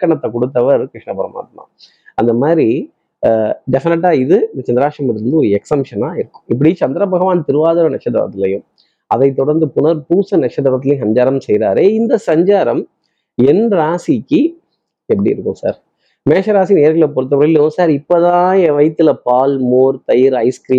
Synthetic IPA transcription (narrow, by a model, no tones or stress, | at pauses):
kːɐɳɐt̪ːɐkɔɽɯt̪̬ːɐʋɐɾkɾɪʂɳɐpɐɾɐma̰ːt̪ma̰ː | ɐnd̪ɐmaːd̪ɾi | ɖɛfɪnɛʈ̬ːaːɪðɯt͡ʃɐnd̪ɐɾaːʂɐmɐnɾɪɾɯnd̪ɯɔɾɯɛksɐmʂɐnaːɪɾɯkːʊ̥̃ɪp̬ːɐɽit͡ʃɐnd̪ɐɾɐbɐɣɐʋaːnt̪ɪɾɯʋaːðɐɾɐnɐkʂɐt̪ːɐ̰ʋɐ̰t̪ːɪlɐjʊ̃m | ɐðɐɪt̪ːɔɽɐɾnd̪ɯpʊnɐɾpuːsɐnɐkʂɐt̪ɐʋɐt̪ːɪlɐjʊ̃sɐɲd͡ʒaːɾɐmsɛjɾa̰ːɾeːɪnd̪ɐsɐɲd͡ʒaːɾɐm | ɛnɾaːsikːɯ | ɛpːɐɽḭɪɾɯkːʊ̃sa̰ːɾ | meːʂɐɾaːsijneːɾɣɪlɐp̬ɔɾɯt̪ːɐʋɾɐlɐjʊ̃saːɾɪpːot̪ãːẽːʋɐɪt̪ːɪlɐpaːlmoːɾt̪ɐjɪɾɐɪskɾiː